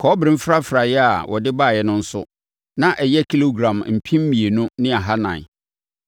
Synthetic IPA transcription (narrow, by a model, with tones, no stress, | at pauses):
kʰɔː˨˦bɾĩ˦m̩˦fɾa˦fɾa˨jɛ˦a˨wʔɔ˨dɪ˦ba˦˨jɛ˦nʊ̃˦n̩˦sʊ̰˦ | nã˦ʔɛ˨jɛ˦kʰi˦lo˦ɡɾã˨mm̩˨pʰĩ˦mː˦mĩ˨e˨nʊ̃˦nɪ̃˦a˨ɦa˦nã̰˨